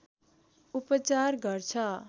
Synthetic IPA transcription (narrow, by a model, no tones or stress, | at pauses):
upʌt͡sarɡʌrt͡sʰʌ